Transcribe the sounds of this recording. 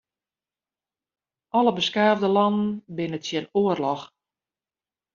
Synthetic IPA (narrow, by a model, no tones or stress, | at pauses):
ʔɔləbəskaːvdəlɔnn̩bɪnətsjɛnoərlɔx